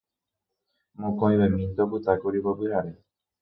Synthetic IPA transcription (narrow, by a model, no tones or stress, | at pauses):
mũkoĩbamint̪ɔbut̪akoɾibɔbiɦaɾe